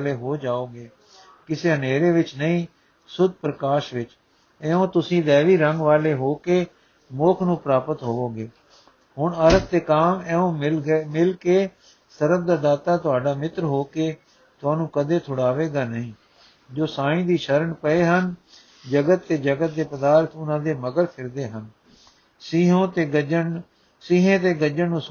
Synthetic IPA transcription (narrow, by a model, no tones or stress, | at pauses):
leːɦoːd͡ʒaːoːɡeː | kɪseːɦəneːɾeːʋɪt͡ʃnəĩː | sʊd̪̚ʱpɾəkaːʃʋɪt͡ʃ | ɛːõːt̪ʊsĩːd̪ɛːʋiːɾəŋɡʋaːleːɦoːkeː | moːkʰnũːpɾaːpət̪ɦoːoːɡeː | ɦʊɳəɾət̪̚d̪eːkaːmɛːõːmɪlkeː | səɾəb̚d̪aːd̪aːt̪aːt̪ʊaːɖaːmɪt̪ɾɦoːkeː | t̪ʊaːnũːkəd̪eːt̪ʰʊɽaːʋeːɡaːnəɦĩː | d͡ʒoːsaːĩːd̪iːʃəɾəɳpəeːɦən | d͡ʒəɡət̪ːeːd͡ʒəɡət̪̚d̪eːpəd̪aːɾt̪ʰʊnãːd̪eːməɡəɾpʰɪɾd̪eːɦən | sɦõːt̪eən | siːɦẽːt̪eːɡəd͡ʒənnːũː